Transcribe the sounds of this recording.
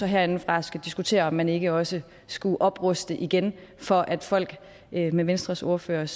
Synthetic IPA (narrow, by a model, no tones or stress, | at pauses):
ɒɦæɐe̝nn̩fʁɑ̈sɡ̥æd̥isɡ̥ut͡sʰe̝̰ːɐɒ̽mːæne̝ɡ̥əɒ̽sə | sɡ̥uʔɒ̽b̥ʁɔsd̥əʔiɡ̥enfɒ̽ʔæd̥fɒ̽l̰ɡ̥ | meʋensd̥ʁɐso̝ɐfø̰ːɐs